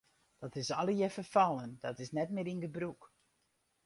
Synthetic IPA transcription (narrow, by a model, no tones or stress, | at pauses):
d̥ɔtɪsɔlˠəjɛfərfɑlˠənd̥ɔtɪsnɛtmɪɾinɡəbɾuk